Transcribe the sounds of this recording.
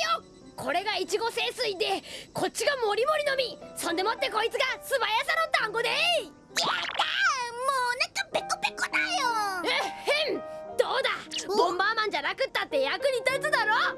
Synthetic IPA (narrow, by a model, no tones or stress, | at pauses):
jo | kʰo̞ɾe̞ɡait͡ɕiɡo̞se̞ːsɨid̪e̞kʰo̞t̚t͡ɕːɕiɡamo̞ɾʲimo̞ɾʲino̞mʲisõ̞nd̪e̞mot̪ːeko̞it͡sɨɡasɨbajasanot̪ãŋɡo̞d̪ei | jat̪amoːnãŋkapekːopekːonajoehẽnd̪o̞ːd̪amõmbaːmãɲ̟d͡ʑanakɯ̟t̪ːat̪ːe̞jakɯ̟ɲ̟it̪at͡sɨd̪aɾo